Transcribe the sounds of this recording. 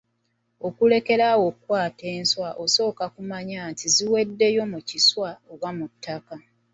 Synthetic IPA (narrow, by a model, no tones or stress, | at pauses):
o̞kule̞ke̞ɾawo̞kwaːte̞ːnswaʔoso̞ːkakumaɲaːntʰiziwe̞dːe̞jo̞muciswaoɡwamutːaka